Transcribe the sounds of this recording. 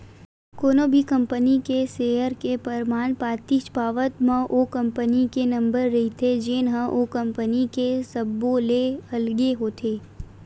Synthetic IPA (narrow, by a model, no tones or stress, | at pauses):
koːnobʱikɐ̃mpənikeseːjəɾkepəɾmaːnpaːt̪iʃpaːʋət̪mə̃ʔokɐ̃mpənikenɐ̃mbəɾːɐɦit̪ʰed͡ʒeːnɦə̃ʔokɐ̃mpənikesɐbːoleɐlɡeɦoːt̪ʰeː